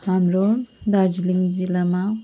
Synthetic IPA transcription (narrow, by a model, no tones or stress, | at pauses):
amɾud̪aɾd͡ʒiliŋd͡ʒilama